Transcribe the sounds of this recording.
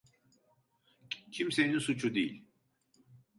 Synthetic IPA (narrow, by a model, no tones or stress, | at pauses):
cʰimse̞ninsut͡ʃʰud̪ejilʲ